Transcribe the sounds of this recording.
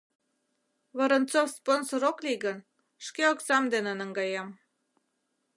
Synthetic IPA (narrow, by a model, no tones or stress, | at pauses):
βəɾənt̪t͡sofsponsoɾokliɡən | ʃkeoksɑmd̪enenə̆ŋɡɑjem